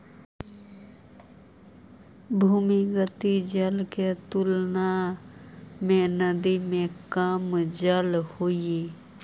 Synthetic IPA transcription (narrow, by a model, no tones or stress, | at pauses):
bʱumiɡət̪id͡ʒəlket̪ʊlna | mẽnəd̪imẽkamd͡ʒəlhoi